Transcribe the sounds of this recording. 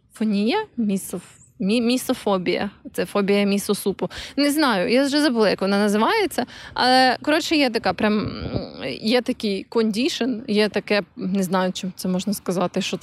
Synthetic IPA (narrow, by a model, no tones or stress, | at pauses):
fɔnʲijɐmʲisɔf | mʲimʲisɔfɔbʲijɐ̰t̪sɛfɔbʲijɐmʲisɔsupʊneznɑjʊjaʒɛzɐbʊlˠɪjɐkʋɔnɑnɐzɪʋɑjet͡sʲːɐɐ̰lˠɛkɔɾɔt͡ʃɛjɛt̪ɐkɑpɾʲam | jɛt̪ɐkɪjkɔnʲdʲiʃɔnjɛt̪ɐkɛneznɑjʊt͡ʃɪmt̪ɛmɔʒnɐskɐzɑt̪ɪʃt͡ʃɔ